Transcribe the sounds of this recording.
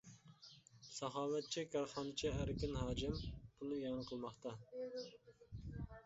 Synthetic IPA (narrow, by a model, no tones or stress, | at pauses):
sɑɦɑːlɛt̪̚t͡ʃʰikʰɑɾχɑːnɨt͡ʃʰiæɾɪkʲɪnhɑːd͡ʒɪmb̥unɨjɑnəqʰəlˠmɑχt̪ʰɑ